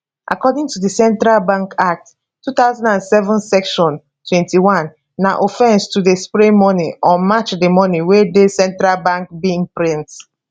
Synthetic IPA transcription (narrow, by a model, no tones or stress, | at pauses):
ʔa̰kɔdĩŋtudəsɛ̃ntɹalbãŋkak̚t | tːut̪aʊzãndãnsɛvɔ̃nsɛkʃɔ̃n | tʰwɛ̃ntiwãnː | aʔofɛ̃nstudespɹĩmɔniʔɔ̃mat͡ʃdemɔniwedesɛ̃ntɹalbãŋk̚biĩŋpɹĩnt